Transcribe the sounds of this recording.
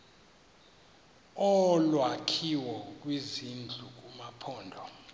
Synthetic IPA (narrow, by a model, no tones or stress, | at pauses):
ɔlwakʰiwɔk̬ʼwizind͡ɮʱuk̬ʼumapʰɔːndʱɔ